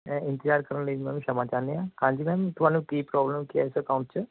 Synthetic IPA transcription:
ɛɪ̃nt̪ɪd͡ʒaːɾkəɾənləimɛ̃ːnũːʃəmaːt͡ʃaːɾneːãːkãːɲd͡ʒiːmɛ̃ːmt̪ʊɦaːnũːkiːpɾɔːbləmkiɛɪsəkaːʊ̃ɳʈt͡ʃə

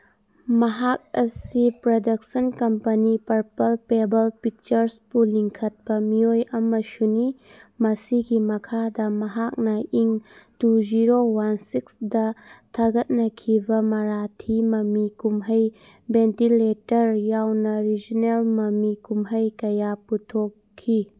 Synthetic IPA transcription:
mɐɦak̚ɐsipɾodɐk̚sɐnkɐmpɐnipɐɾpɐlpebɐlpik̚t͡ʃɐɾspuliŋkʰɐt̚pɐmiojɐmɐsunimɐsiɡimɐkʰadɐmɐɦak̚nɐʔiŋtud͡ʒiɾowansiksdɐtʰaɡɐt̚nɐkʰibɐmɐɾatʰimɐmikumɦɐj | bentiletɐɾjawnɐɾid͡ʒinelmɐmikumɦɐjkɐjaputʰokʰːi

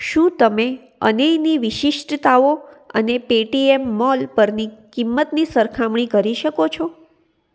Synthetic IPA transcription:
ʃũt̪əme | ə̰nejniʋɪʃɪʃʈət̪ao | ə̰nepeʈiemːɔlpəɾnikimːət̪nisəɾkʰamɳ̃ikəɾiʃəkot͡ʃʰo

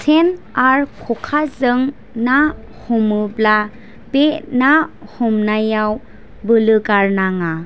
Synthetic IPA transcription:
sʰen | aɾkʰɔkʰazɯŋ | na | hɔmɯbla | b̥enahɔmnajaw | bɯlɯkaɾnaŋa

